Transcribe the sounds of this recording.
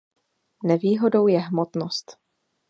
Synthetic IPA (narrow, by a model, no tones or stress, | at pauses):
nɛviːɦo̞do̞wjɛɦmot̪nost̪